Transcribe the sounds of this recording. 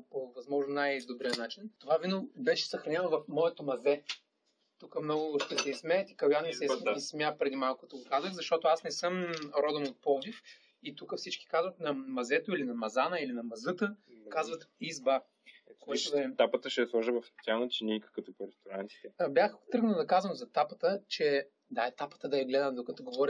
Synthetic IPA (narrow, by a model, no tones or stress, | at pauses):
povɐzmɔʒnnajd̪obɾijənat͡ʃint̪ovavinobɛʃɛ̥sɐxɾɐnʲɛnovɐfmɔɛt̪omɐzɛ | t̪ukəmnɔɡʊʃt̪ɛsɛizmɛɛt̪i̥kɐjanːisɛsismjapɾɛd̪imalˠkət̪oɡokazəxzɐʃt̪ɔt̪oasnɛsɤmɾɔd̪omot̪̚pɔvif | it̪ukəfsit͡ʃkʲi̥kazvɐt̪nɐmɐzɛt̪oilinɐmɐzanəilinɐmɐzɤt̪əkazvɐt̪izba | koɛt̪od̪ɐɛt̪apət̪əʃɛslˠɔʒəvɐft̪ʲjanət͡ʃɛnʲikə̥kət̪opoɾɛst̪oɾant̪i̥t̪ɛbjaxt̪ɾɤɡnəd̪ɐkazvəmzɐt̪apə̥t̪ət͡ʃɛ | d̪aɛt̪apə̥t̪əd̪ɐjɐɡlɛd̪əmd̪okɐt̪ɔɡovɔɾʲə